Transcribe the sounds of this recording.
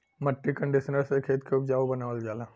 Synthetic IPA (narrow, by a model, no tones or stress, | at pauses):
məʈːikə̃ɳɖiʃənəɾsekʰeːt̪keʊp̚d͡ʒaːobənaːʋəld͡ʒaːlaː